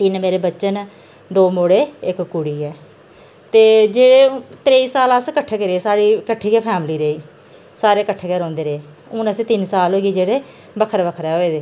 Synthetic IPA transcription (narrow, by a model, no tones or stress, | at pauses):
t̪ɪnmeːɾeːbətːʃən | d̪oːmoːɽeːɪkkʊɽiːɛː | t̪eːd͡ʒeːɽeːt̪ɾeːiːsaːləskəʈʰekeɾeeːsaːɽiːkəʈʰːiːɡɛːpʰɛːmliːɾeːiː | saːɾeːkəʈʰːekeːɾɔ̃ːnd̪eːɾeeː | ʊnəsiːt̪ɪnsaːlɦoːɡeːd͡ʒeːɽeː | bəkʰəɾbəkʰɾɛːɦoːeːd̪eː